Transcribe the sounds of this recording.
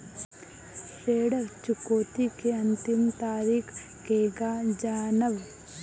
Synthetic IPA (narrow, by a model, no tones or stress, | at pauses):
seːɽət͡ʃukoːt̪ikeɐnt̪imt̪aːɾikʰ | keːɡaːd͡ʒaːnəʋ